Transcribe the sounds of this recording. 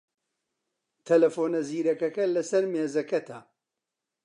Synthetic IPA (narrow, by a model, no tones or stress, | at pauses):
t̪ʰɐlɐfoːnɐziːɾɐkɐkɐlɐsɐɾmeːzɐkɐt̪ʰa